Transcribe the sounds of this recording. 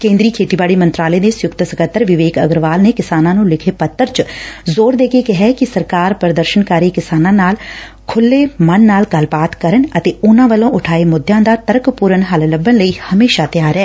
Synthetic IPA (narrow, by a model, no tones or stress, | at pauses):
kẽːnd̪ɾiːkʰeːʈ̪iːbaːɽiːmə̃nt̪ɾaːlẽd̪eːsjʊkt̪səkət̪ːəɾʋɪʋeːkəɡɾʋaːlneːkɪsaːnãːnũːlɪkʰeːpət̪ːəɾt͡ʃzoːɾd̪eːkeːkɪɦɛːkɪsəɾkaːɾpəɾd̪əɾʃənkaːɾiːkɪsaːnãːnaːl | kʰʊlːeːmənːaːlɡəlbaːt̪kəɾənət̪eːʊnãːʋəlõːʔʊʈʰaːeːmʊd̪jãːd̪aːt̪əɾkpuːɾənɦəlləbənləiːhəmeːʃaːt̪ɪjaːɾɛː